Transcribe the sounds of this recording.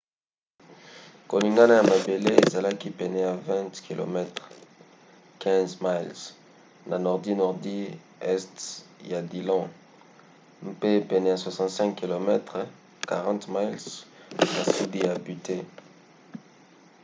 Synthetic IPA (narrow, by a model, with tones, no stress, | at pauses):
ko˨li˨ŋɡa˦na˦ja˨ma˨be˨le˦e˨za˨la˦ki˦pɛ˨nɛ˨ja˨vɛ̃˦tki˨lʔo̰˨mɛ˦tʁ | kʰɛ̃˦zma˦ls | na˨nɔ˨ʁdi˦nɔ˨ʁdi˦ | ɛ˦stja˨di˨lɔ̃˦ | m˦pe˦pɛ˨nɛ˨ja˨swa˨sɑ̃˨tsɛ̃˦ŋkkːi˨lo˨mɛ˦tʁ | ka˨ʁɑ̃˦tma˦lsna˨su˦di˦ja˨by˨te˦